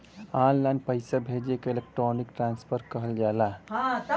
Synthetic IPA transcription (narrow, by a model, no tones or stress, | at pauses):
anlanpəɪsabʱed͡ʒekelek̚ʈɾonikʈɾanspʰəɾkəɦəld͡ʒala